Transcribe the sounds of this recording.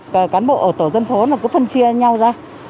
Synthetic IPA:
kəː˨˩kaː˨˦nɓo̰˧˨ʔəː˧˩t̪o˧˩zə˧nfo˨˦naː˨˩kɨ˨˦fə˧nt͡ɕi˧əɲa˧wzaː˧

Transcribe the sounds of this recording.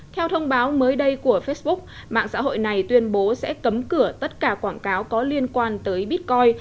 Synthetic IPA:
t̪ʰɛ˧wt̪ʰə˧wŋ͡mɓaː˨˦wməː˨˦jɗə˧jku˧˩əfe˦˥t̚ɓʊ˦˥k͡p̚ | ma̰ː˧˨ŋsa̰ː˧˥ɦo̰˧˨jna˨˩jt̪wi˧ənɓo˨˦sɛ̰˧˥kə˨˦mkɨ˧˩ət̪ə˦˥t̚kaː˧˩kwaː˧˩nkaː˨˦wkɔ˨˦li˧ənkwaː˧nt̪əː˨˦jɓi˦˥t̚kɔ˧j

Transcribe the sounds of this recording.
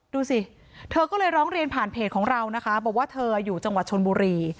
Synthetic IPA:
duː˧si˨˩ | t̪ʰɤː˧kɔː˥˩lɤː˧jɾɔː˦˥ŋɾi˧ənpʰaː˨˩npʰeː˨˩t̪̚kʰɔː˩˦ŋɾa˧wna˦˥kʰa˦˥bɔː˨˩k̚waː˥˩t̪ʰɤː˧a˧juː˨˩t͡ɕa˧ŋwa˨˩t̪̚t͡ɕʰo˧nbuː˧ɾiː˧

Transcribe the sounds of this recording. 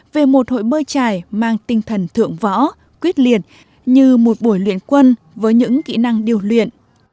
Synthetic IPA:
ve˨˩mo˨˩t̚ho̰˧˨jɓəː˧jt͡ɕaː˨˩jmaː˧ŋt̪ï˧ŋ̟t̪ʰə˨˩nt̪ʰɨ̰˧˨əŋvɔ̰˧˥ | kwi˦˥t̚li˨˩ət̚ | ɲɨ˧mo˨˩t̚ɓu˧˩əjlwḭ˧˨ənkwə˧n | vəː˨˦jɲɨ̰˧˥ŋkḭ˧˨na˧ŋɗi˨˩əwlwḭ˧˨ən

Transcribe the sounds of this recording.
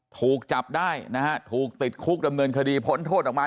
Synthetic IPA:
t̪ʰuː˨˩k̚t͡ɕa˨˩p̚daː˥˩jna˦˥ha˦˥t̪ʰuː˨˩k̚t̪i˨˩t̪̚kʰu˦˥k̚da˧mnɤː˧nkʰa˧diː˧pʰo˦˥nt̪ʰoː˥˩t̪̚ɔ˨˩k̚maː˧

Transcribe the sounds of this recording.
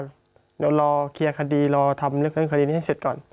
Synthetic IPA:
lɔː˧kʰi˧ɐkʰa˧diː˧lɔː˧t̪ʰa˧mlɯ˧˥˨kʰɯ˧˥˨ŋka˧iː˧niː˧˨ɦse˨˩t̪̚kɔː˨˩n

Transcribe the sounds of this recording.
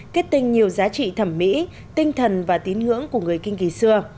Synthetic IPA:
ke˦˥t̚t̪ï˧ŋ̟ɲi˨˩əwzaː˨˦t͡ɕḭ˧˨t̪ʰə˧˩mːḭ˧˥ | t̪ï˧ŋ̟t̪ʰə˨˩nvaː˨˩t̪i˨˦nŋɨ̰˧˥əŋku˧˩əŋɨ˨˩əjkï˧ŋ̟ki˨˦sɨ˧ə

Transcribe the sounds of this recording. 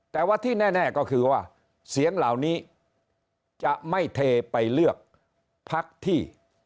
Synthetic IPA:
t̪ɛː˨˩waː˧˥˩t̪ʰiː˥˩nɛː˥˩nɛː˥˩kɔː˥˩kʰɯː˧waː˥˩ | si˨˩˦əŋlaː˨˩˦wniː˦˥ | t͡ɕa˨ʔma˥˩jt̪ʰeː˧pa˧jlɯ˥˩ək̚ | pʰa˦˥k̚t̪ʰiː˥˩

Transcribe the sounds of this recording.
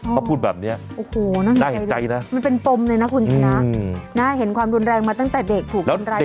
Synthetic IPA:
pʰuː˥˩bɛː˨˩p̚ni˦˥ɐʔoː˨˩hoː˧˩na˥˩ŋda˧˨hja˧jna˦˥ma˧npe˧npo˧mlɤː˧jna˦˥kʰu˧nt͡ɕʰa˧˦˧na˦˥˩na˦˥ɦe˩˦nkʰwaː˧mɾu˧nɾɛː˧ŋmaː˧t̪a˥˩ŋt̪ɛː˨˩de˨˩k̚t̪ʰuː˨˩klɛː˦˥˧nɾa˧˨

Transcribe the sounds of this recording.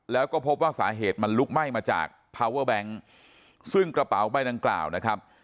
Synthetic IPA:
lɛː˦˥wkɔː˥˩pʰo˦˥p̚waː˥˩sa̰ː˩˦ɦeː˨˩t̪̚ma˧nlu˦˥k̚ma˥˩jmaː˧t͡ɕa̰ː˨˩k̚pʰaː˧wɤː˥˩bɛ˦˥ŋ | sɯ˥˩ŋkɾa˧pa̰˩˦wba˧˥˩jda˧ŋkla̰ː˨˩wna˦˥kʰa˦˥p̚

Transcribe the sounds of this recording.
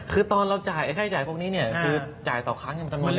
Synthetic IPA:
kʰɯː˧t̪ɔː˧nɾa˧wt͡ɕaː˨˩jʔkʰaː˥˩jt͡ɕaː˨˩pʰu˥˩əkniː˦˥ni˥˩ɐkʰɯː˧t͡ɕaː˨˩jt̪ɔː˨˩kʰaː˦˥ŋjpt͡ɕa˧n˧

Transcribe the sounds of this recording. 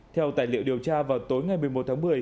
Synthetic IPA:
t̪ʰɛ˧wt̪aː˧˩jlḭ˧˨əwɗi˨˩əwt͡ɕaː˧vaː˨˩wt̪o˨˦jŋa˨˩jmɨ˨˩əjmo˨˩t̚t̪ʰːŋmɨ˨˩əj

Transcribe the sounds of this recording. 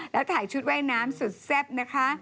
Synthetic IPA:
lɛː˦˥wt̪ʰaː˨˩˦jt͡ɕʰu˦˥t̪̚waː˥˩jnaː˦˥msu˨˩t̪̚se˥˩p̚na˦˥kʰa˦˥

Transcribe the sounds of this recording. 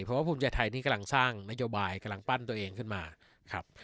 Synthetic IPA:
pʰɔ˧˦waː˥˩pʰuː˧˦mt͡ɕa˧˩jt̪ʰa˧jnʰiː˥˩ka˧la˧ŋsaː˥˩ŋna˦˥joː˧baː˧jka˧la˧ŋpa˥˩nt̪u˧ɐʔeː˧ŋkʰɯ˥˩nmaː˧ | kʰa˦˥p̚

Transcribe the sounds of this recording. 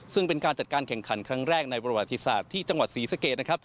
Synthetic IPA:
sɯ˥˩ŋpe˧nkaː˧nt͡ɕa˨˩t̪̚kaː˧nkʰɛ˨˩ŋkʰa˩˦nkʰɾa˦˥ŋɾɛː˥˩k̚na˧jpɾa˧wa˨˩t̪ːi˦˧sa̰ː˨˩t̪ʰːiː˥˩t͡ɕa˧ŋwa˨˩t̪̚siː˩˦sa˧keː˨˩t̪̚na˥kʰa˦˥p̚

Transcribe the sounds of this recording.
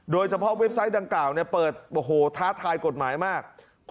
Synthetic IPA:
doː˧jt͡ɕʰa˧pʰɔ˦˥ʔwe˦˥p̚sa˦˥jda˧ŋklaː˨˩wni˥˩pɤː˨˩t̪̚ʔoː˨˩ɦoː˨˩˦t̪ʰaː˦˥t̪ʰaː˧jko˨˩t̪̚maː˩˦jmaː˥˩k̚ʰ

